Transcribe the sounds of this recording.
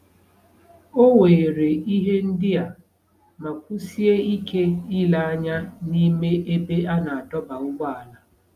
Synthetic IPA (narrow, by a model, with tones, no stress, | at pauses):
o˦we˨ɾe˨i˦ɦe˦n̩˦dɪ˦a˨ | ma˨kʷu˦si˦e˦i˦ke˦i˦la˨a˦ɲa˦ni˦me˦ʔe˦be˦a˦na˨a˨tɔ˦ba˨ʊ˦ɡ͡ba˦a˨la˦